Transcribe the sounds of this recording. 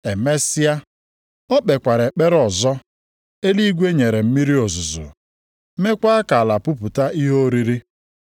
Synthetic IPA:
e˨me˦si˦a˦ | ɔ˦k͡pe˨kʷa˨ɾe˨k͡pe˦ɾɔ˨zɔ˦ | e˦li˦i˦ɡʷe˦ɲe˨ɾe˨m̩˦mi˦ɾi˦o˨zʊ˨zʊ̰˨ | me˦kʷa˦a˦ka˨a˨la˨pʊ˦pʊ˨ta˦i˦ɦo˦ɾi˦ɾi˦

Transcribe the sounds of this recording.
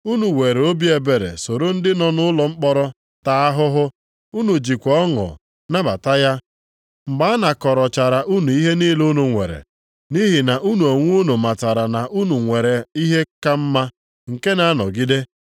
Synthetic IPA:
u˦nu˨we˨ɾe˨o˦bi˦e˨be˨ɾḛ˨so˨ɾo˦n̩˦dɪ˦nɔ˨nʊ˦lɔ˨ŋ͡m̩˦k͡pɔ˦ɾɔ˦ | ta˨a˦ɦʊ˦ɦʊ˦ | u˦nu˨d͡ʒi˨kʷɔ˦ŋɔ̰˨ | na˦ba̰˨ta˦ja˦ | ŋ͡m̩˨ɡ͡ba˦a˦na˨kɔ˨ɾɔ˨t͡ʃa˨ɾa˨ʔu˦nu˨i˦ɦe˦ni˦lo˦nu˨ŋʷḛ˨ɾḛ˨ | ni˦ɦi˨na˨ʔu˦nu˨o˨ŋʷ˦o˦no˨ma˨ta˨ɾa˨na˨ʔu˦nu˨ŋʷe˨ɾe˨i˦ɦe˦ka˦m̩˦ma˦ | ŋ̩˨ke˦na˨˦nɔ̰˨ɡi˦de˦

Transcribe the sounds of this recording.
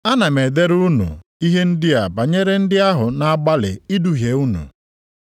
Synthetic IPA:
a˦na˨me˨de˦ɾu˦nṵ˨i˦ɦe˦n̩˦dɪ˦a˨ba˨ɲe˦ɾe˦n̩˦dɪ˦a˦ɦʊ˨na˨a˦ɡ͡ba˦lɪ̰˨i˦du˨ɦje˨u˦nṵ˨

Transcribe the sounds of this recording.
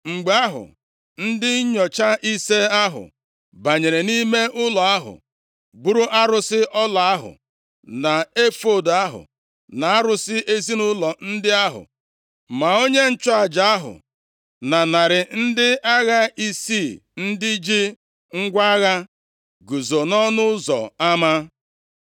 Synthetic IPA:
ŋ͡m̩˨ɡ͡ba˦ɦʊ̰˨ | n̩˦dɪ˦ɲɔ˨t͡ʃa˦ʔi˦se˦a˦ɦʊ̰˨ | ba˨ɲe˨ɾe˨ni˦me˦ʔʊ˦lɔ˨a˦ɦʊ̰˨ | bu˦ɾʊ˦ʔa˦ɾʊ˦sɪ˦ʔɔ˦la˨a˦ɦʊ̰˨ | na˨e˦fo˦˨da˦ɦʊ̰˨ | na˨a˦ɾʊ˦sɪ˦ʔe˦zi˦nʊ˦lɔ˨n̩˦dɪ˦a˦ɦʊ̰˨ | ma˨o˦ɲe˦n̩˦t͡ʃʊ˦a˨d͡ʒa˨a˦ɦʊ̰˨ | na˨na˨ɾɪ˨n̩˦dɪ˦a˦ɣa˦i˦si˦˨n̩˦dɪ˦d͡ʒi˦ | ŋ̩˦ɡʷa˦ɣa˦ | ɡu˨zo˨nɔ˦nʊ˦zɔ̰˨a˦ma˦

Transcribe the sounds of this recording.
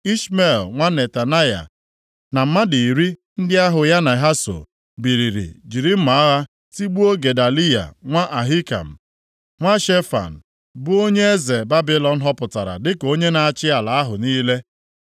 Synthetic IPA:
i˦ʃme˨lŋʷa˦ne˨ta˨na˦ja̰˨ | na˨m̩˨˦ma˦di˨i˨ɾi˦ | n̩˦dɪ˦a˦ɦʊ˨ja˦na˨ɦa˦so̰˨ | bi˨ɾi˨ɾḭ˨d͡ʒi˨ɾi˦m̩˦ma˨a˦ɣa˦ | ti˦ɡ͡bu˦o˦ɡe˨da˨li˦ja̰˨ŋʷa˦ʔa˨ɦi˦ka̰˨m̩˨ | ŋʷa˦ʃe˦fa̰˨n̩˨ | bʊ˦o˦ɲe˦e˦ze˨ba˦bi˨lɔ˨n̩˦ɦɔ˦pʊ˨ta˨ɾa̰˨dɪ˦ko˦ɲe˦na˨a˨t͡ʃɪ˦a˨la˨a˦ɦʊ˨niː˦le˦

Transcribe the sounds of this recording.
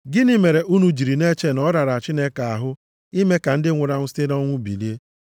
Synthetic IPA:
ɡɪ˦ni˦me˨ɾe˨ʔu˦nu˨d͡ʒi˨ɾi˨ne˦t͡ʃe˦nɔ˦ɾa˨ɾa˨a˨t͡ʃi˦ne˦ka˨a˨ɦʊ˦ | i˦me˦ka˨n̩˦dɪ˦ŋʷʊ˨ɾa˦ŋʷʊ˦si̥˦te˦dɔ˦ŋʷʊ˦bḭ˨li˦e˦

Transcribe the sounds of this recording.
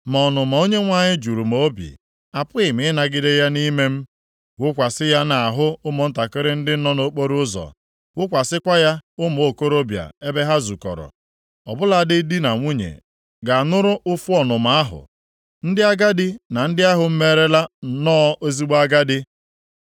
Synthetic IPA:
mɔ˨nʊ˨ma˨o˦ɲe˦ŋʷa˦ɲɪ˦d͡ʒu˨ɾu˨m̩˨o˦bḭ˨ | a˨pʊ˦ɪ˨mɪ˨˦na˨ɡɪ˦de˦ja˦ni˦me˦m̩˦ | wʊ˦kʷa˨sɪ˦ja˦na˨a˨ɦʊ˦ʊ˦mʊ˨n̩˦ta˨kɪ˦ɾɪ˦n̩˦dɪ˦nɔ˦no˦k͡po˦ɾu˦zɔ̰˨ | wʊ˦kʷa˨sɪ˦kʷa˦ja˦ʊ˦m˨o˨ko˦ɾo˦bja̰˨e˦be˦ɦa˦zu˨kɔ̰˨ɾɔ̰˨ | ɔ̰˨bʊ˦la˦˨dɪ˦di˦na˨ŋʷu˦ɲḛ˨ | ɡa˨nʊ˦ɾʊ˦ʔʊ˦fu˦ɔ˨nʊ˨ma˨a˦ɦʊ̰˨ | n̩˦dɪ˦a˦ɡa˦dɪ˦na˨n̩˦dɪ˦a˦ɦʊ˨m̩˦me˦ɾe˦la˦˨nɔː˦ʔo˦zi˦ɡ͡ba˦ɡa˦dɪ˦

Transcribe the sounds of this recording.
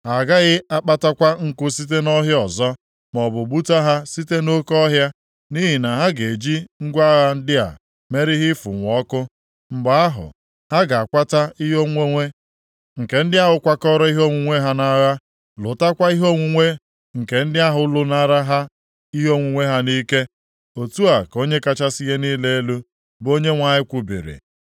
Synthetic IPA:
ɦa˨ɡa˦ɣɪ˦a˦k͡pa˦ta˦kʷa˦ŋ̩˦kʊ˦si˦t̬e˦nɔ˦ɦjɔ˨zɔ˦ | mɔ˨bʊ˨bu˦ta˦ɦa˦si˦te˦no˦kɔ˦ɦja˦ | ni˦ɦi˨na˨ɦa˦ɡe˨d͡ʒi˦ŋ̩˦ɡʷa˦ɣa˦n̩˦dɪ˦a̰˨ | me˦ɾɪ˦ɦɪ˦fʊ̰˨ŋʷ˨ɔ˦kʊ˦ | ŋ͡m̩˨ɡ͡ba˨a˦ɦʊ̰˨ | ha˦ɡa˨a˨kʷa˦ta˦i˦ɦo˦ŋʷe˦ŋʷe˦ | ŋ̩˨ke˨n̩˦dɪ˦a˦ɦʊ˨kʷa˦kɔ˦ɾɔ˦i˦ɦo˦ŋʷu˨ŋʷe˦ɦa˦na˦ɣa˦ | lʊ˨ta˦kʷa˦i˦ɦo˦ŋʷu˨ŋʷe˦ | ŋ̩˨ke˨n̩˦dɪ˦a˦ɦʊ˦lʊ˦na˦ɾa˦ɦa˦ | i˦ɦo˦ŋʷu˨ŋʷe˦ɦa˦ni˦ke˦ | o˨tu˦a˨ko˦ɲe˦ka˦t͡ʃa˦si˦je˦niː˦le˦e˦lu˦ | bo˦ɲe˦ŋʷa˨ɪ˦kʷu˨bḭ˨ɾḭ˨

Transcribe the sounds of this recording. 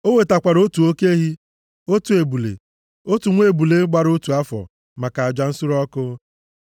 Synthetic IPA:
o˦we˨ta˨kʷa˨ɾo˦tu˨o˦ke˦ɦi˦ | o˦tu˨e˨bu˨lḛ˨ | o˦tu˨ŋʷ˦e˦˨bu˨le˨˦ɡ͡ba˦ɾo˦tu˨a˦fɔ̰˨ | ma˨ka˨a˨d͡ʒa˨n̩˦sʊ˦ɾɔ˦kʊ˦

